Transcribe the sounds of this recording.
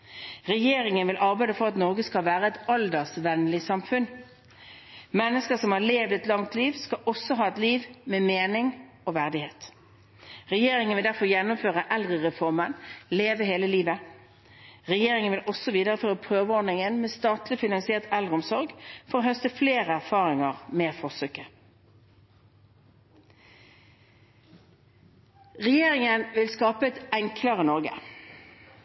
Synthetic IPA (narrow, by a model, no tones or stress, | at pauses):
ʁɛjeːɾɪŋənʋɪlʔɑʁbæɪd̪əfɔʁɑt̪nɔʁɡəskɑlʋæːʁəɛt̪ɑld̪əʁsʋɛnlɪsɑmfʉn | mɛnːəskəsɔmhɑʁleːʋd̪ɛt̪lɑŋt̪liːʋskɑʔɔsːɔɦɑːɛt̪liːʋmɛmeːnɪŋ | oːʋæʁd̪ɪheːt̪ | ʁɛjeːʁɪŋənʋɪld̪æʁfɔʁjɛnːʊmføːʁəʔɛld̪ʁəʁɛfɔʁmənleːʋəɦeːləliːʋə | ʁɛjeːʁɪŋənʋɪlʔɔsɔʋiːd̪əʁəføːʁəpʰʁøːʋəɔd̪nɪŋənmeːst̪ɑːt̪lɪfɪnɑŋsɪeːʁt̪ɛlʁəɔmsɔʁɡfɔʁoːhœst̪əfleːʁəæʁfɑːʁɪŋəʁmeːfɔʁsøːkə | ʁɛjeːʁɪŋənʋɪlskɑːpəɛt̪ɛŋkʰlɑʁənɔʁɡə̰